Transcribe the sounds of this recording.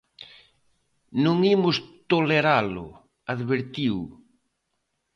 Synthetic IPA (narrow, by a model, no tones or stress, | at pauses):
nũŋimʊst̪oleɾalʊ̰ | aðβeɾt̪iw